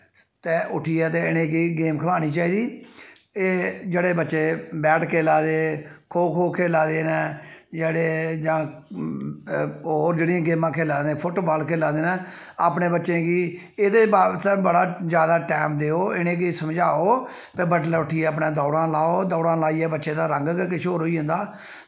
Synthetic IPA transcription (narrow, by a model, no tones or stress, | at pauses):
t̪eːʔʊʈʰiːɛːt̪eːɪnẽːk̬iːɡeːmkʰəlaːñiːt͡ʃaːiːd̪iː | eːd͡ʒeːɽeːbətːʃeːbɛːʈkʰeːlaːd̪eːkʰoːkʰoːkʰeːlãːd̪eːnɛːd͡ʒeːɽeːd͡ʒãː | oːɾd͡ʒeːɽɪãːɡeːmãːkʰeːlaːd̪ẽːpʰʊʈːbaːlkʰeːlãːd̪eːnɛ̃ː | a̰ːpneːbətːʃẽːɡiː | ɪd̪eːbaːt̪ẽːbəɽaːd͡ʒjaːd̪aːʈɛːmd̪eːoːɪnẽːk̬isəmd͡ʒaːoː | pebəʈlɛːʊʈʰiːɛːəp̬nãːd̪ɔːɽãːlaːoːd̪ɔːɽãːlaːiːɛːbətːʃẽːd̪aːɾəŋɡkkɪʃʰoːɾɦoːiːɦʊ̃nd̪aː